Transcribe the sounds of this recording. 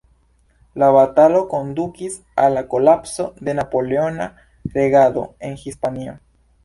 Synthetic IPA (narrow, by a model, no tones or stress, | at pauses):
laβat̪alokond̪ukis | alakolapso̞ðenapoleona | ɾeɣaðo̰eŋxispanio